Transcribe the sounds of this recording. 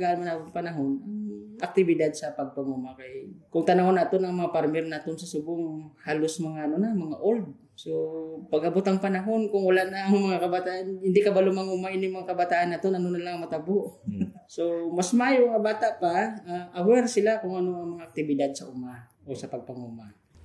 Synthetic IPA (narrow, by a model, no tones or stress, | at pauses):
ɡaʔnmanak̪ʊŋpɐnaɦonaŋʔak̚t̪ɪbɪd̪ad̪̚sɐpɐɡ̚paŋumakajkʊŋt̪anaonaːt̪onɐŋmɐŋapaɾmɛrnaːt̪onsɐsʊbʊŋhaːlʊsmɐŋanʊnamɐŋaʔold̪̚ | sopɐɡɐbot̪aŋpɐnaɦonkʊŋwalaʔnaːŋmɐŋakɐbat̪aʔanhɪnd̪ɪkabalʊmaŋumaʔɪnjʊŋmaŋakabat̪aʔanːaːt̪onɐnonalaŋŋmɐt̪aboʔ | somasmaːjoʔŋabaːt̪aʔpaaʔawɛɾsɪlakʊŋɐnoʔaŋmɐŋaʔːk̚t̪ɪbɪd̪ad̪̚saʔʊma | ʔosɐpɐɡ̚paŋuma